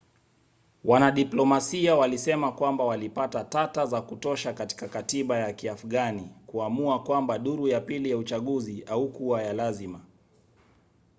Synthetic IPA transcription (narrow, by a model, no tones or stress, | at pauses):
wʔanaɗiplɔmasiawalisɛmakwambawalipatatatazakutɔʃakati̥kakatiɓajakiafuɠanikuamuakwambaɗuɾujapilijaut͡ʃaɠuziaukuajalazima